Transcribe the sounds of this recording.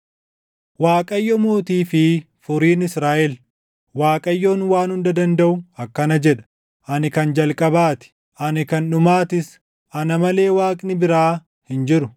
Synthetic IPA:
waːkʼɐjːɔmoːt̪iːfɪ | fʊɾiːnɪsɾaːʔɛl | waːkʼɐjːo̞ːnwaːnhʊnd̪ɐd̪ɐnd̪ɐʔʊɐkːɐnɐd͡ʒɛᶑɐ̥ | ʔɐnɪkɐnd͡ʒɐlkʼɐbaːt̪ɪ̥ | ʔɐnɪkɐnᶑʊmaːt̪ɪs | ʔɐnɐmɐle̞ːwaːkʼnɪbɪɾaː | hɪnd͡ʒɪɾʊ

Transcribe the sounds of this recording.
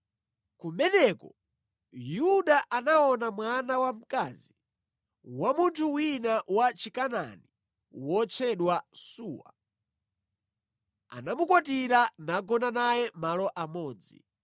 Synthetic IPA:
kumɛnɛkɔ | juɗaʔanaɔnamwanawam̩ka̰ːzi | wamuntʰuwinawat͡ʃikana̰ni | wɔt͡ʃʰɛɗwasuːwa̰ | a̰namukɔtiɾanaɡɔnanajɛmalɔʔamɔːd͡zḭ

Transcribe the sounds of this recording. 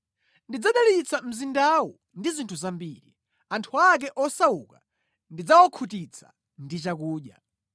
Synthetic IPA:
ndid͡zaɗalit͡sʰam̩zindawɔ | ndizintʰuzambiːɾḭ | antʰuak̬ɛʔɔsauka | ndid͡zawɔkʰutit͡sʰḁ̰ | ndit͡ʃakuːɗja̰

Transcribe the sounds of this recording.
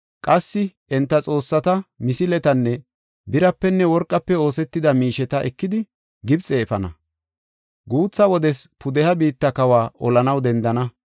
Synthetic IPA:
kʼɐsːɪ | ɛnt̪ːɐt͡sʼo̞ːsːɐt̪ɐmɪsɪlɛt̪ɐnːɛ | bɪɾɐpːɛnːɛwɔɾkʼːɐpːɛo̞ːsɛt̪ːɪd̪ɐmiːʃɛt̪ɐʔɛkːɪd̪ɪ | ɡɪbt͡sʼe̞ːfɐnɐ̰ | ɡuːt͡sːɐwɔd̪ɛspʰʊd̪ɛhɐbiːt̪ːɐkɐwaːʔɔlɐnɐwd̪ɛnd̪ɐnɐ

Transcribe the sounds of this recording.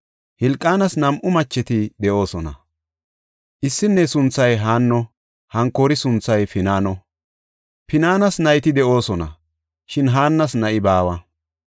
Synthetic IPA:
hɪlkʼːaːnɐsnɐmʔʊmɐt͡ʃːɛt̪ɪd̪ɛʔo̞ːsɔnɐ̰ | ʔɪsːɪnːɛsʊnt͡sːɐjɦaːnːɔ | hɐŋkoːɾɪsʊnt͡sːɐjfɪnaːnɔ | pɪnaːnɐsnɐjɪt̪ɪd̪ɛʔo̞ːsɔnɐ̰ | ʃɪnɦaːnːɐsnɐʔɪbaːwɐ

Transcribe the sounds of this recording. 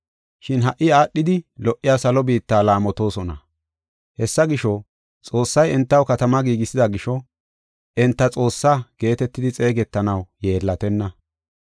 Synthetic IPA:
ʃɪnɦɐʔɪaːɗːɪd̪ɪlɔʔːɪjaːsɐlɔbiːt̪ːaːlaːmɔt̪o̞ːsɔnɐ̰ | hɛsːɐɡɪʃɔ | t͡sʼo̞ːsːɐjɛnt̪ːɐwkɐt̪ɐmɐɡiːɡɪsɪd̪ɐɡɪʃɔ | ʔɛnt̪ːɐt͡sʼo̞ːsːaɡ̥e̞ːt̪ɛt̪ːɪd̪ɪt͡sʼe̞ːɡɛt̪ːɐnɐwje̞ːlːɐt̪ɛnːɐ

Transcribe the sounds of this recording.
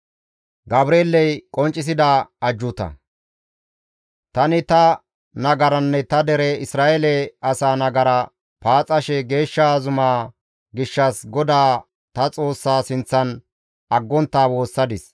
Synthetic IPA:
ɡɐbɾeːlːɛjkʼɔnt͡ʃʼːɪs̬ɪd̪aɐd͡ʒːʊt̪ɐ̰ | t̪ɐnɪt̪ɐ | nɐɡɐɾɐnːɛt̪ɐd̪ɛɾɛɪsɾaːʔelɛɐsaːnɐɡɐɾɐ | paːt͡sʼɐʃɛɡe̞ːʃːaːzʊmaː | ɡɪʃːɐsɡɔd̪aː | t̪ɐt͡sʼo̞ːsːaːsɪnt͡sːɐn | ʔɐɡːɔnt̪ːaːwo̞ːsːɐd̪ɪs

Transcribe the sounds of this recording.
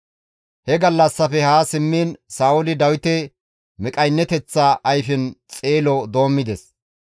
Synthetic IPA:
hɛɡɐlːɐsːɐfɛhaːsɪmːiːnsaːʔʊlɪd̪ɐwɪt̪ɛ | mɪkʼɐjnːɛt̪ɛt͡sːaːʔɐjfɪnt͡sʼeːlɔd̪o̞ːmːɪd̪ɛs

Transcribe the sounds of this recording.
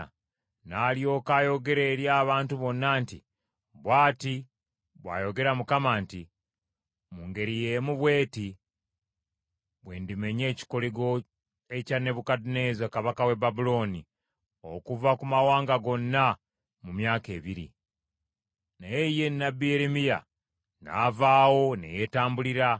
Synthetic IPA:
naːlio̞ːkajo̞ɡe̞ɾeːɾjaːβaːntuβo̞nːaːnti | βwaːti | βwa̰ːjo̞ɡe̞ɾamukamaːnti | muːŋɡe̞ɾijemuβwe̞ːti | βwe̞ːndime̞ɲe̞ːci̥koliɡo | ecane̞βukadune̞zakaβakawe̞babulo̞ːni | o̞̰kuvakumawaːŋɡaɡo̞nːa | mumjaːke̞ːβiɾḭ | najeje̞nːabːije̞ɾemija | na̰vaːwo̞nḛje̞ːtaːmbuliɾa

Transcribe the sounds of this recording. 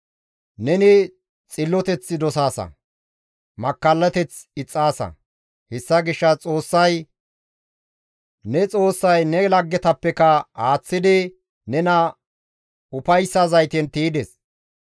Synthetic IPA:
nɛnɪ | t͡sʼɪlːɔt̪ɛt͡sːɪd̪ɔsaːsɐ̰ | mɐkːɐlːɐt̪ɛt͡sɪt͡sʼːaːsɐ̰ | hɛsːɐɡɪʃːɐt͡sʼoːsːɐj | nɛt͡sʼo̞ːsːɐjnɛlɐɡːɛt̪ɐpːɛkɐaːt͡sːɪd̪ɪ | nɛnɐ | ʊpɐjsːazɐjt̪ɛnt̪iːd̪ɛs

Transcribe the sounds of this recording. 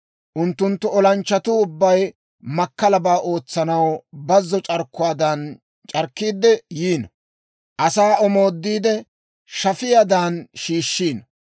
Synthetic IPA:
ʔʊnt̪ːʊnt̪ːʊɔlɐnt͡ʃːɐt̪ʊʊbːɐj | mɐkːɐlɐbaːʔo̞ːt͡sːɐnɐwbɐzːɔt͡ʃʼɐɾkːʊwaːd̪ɐn | t͡ʃʼɐɾkːiːd̪ɛjiːnɐ | ʔɐsaːɔmo̞ːd̪ːiːd̪ɛ | ʃɐfɪjɐd̪aːnʃiːʃːiːnɐ

